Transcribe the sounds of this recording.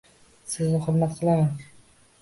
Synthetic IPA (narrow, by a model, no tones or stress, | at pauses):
sɪznɪχʊɾmat̪qʰɨlˠaman